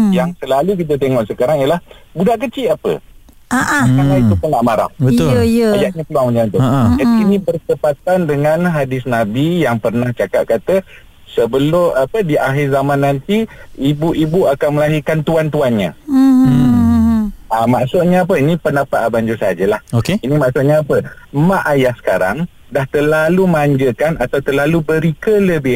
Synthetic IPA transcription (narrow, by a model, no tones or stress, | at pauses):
jaŋsəlalukit̪̬ət̪̬eŋɔʔsəkaɾaŋiəlah | budaʔkət͡ʃɪapə̰ | aʔkanait̪upənaʔmaɾa̰fbəʊləjəajaʔɲãkəluaŋməd͡ʒant̪od͡ʒaninĩbərt̪əpat̪andəŋãnɦadɪsnabijaŋpərnaht͡ʃaka̰ʔ̪̚kat̪ə | səbəlʊmapədiʔaɦɪrzamãnːant̪iibuʔibuakanməlaɦirkant̪uant̪uanɲã̰ | amaʔsʊʔ̪̚ɲaːp̬əinĩpənapaʔ̪abaɲd͡ʒusəɦad͡ʒəlahokeinimaʔsʊʔɲaːpəmãʔajahsə̥kaɾa̰ŋ | daht̪əlaluməaɲd͡ʒəkanat̪awt̪əlalubəɾikələbɪh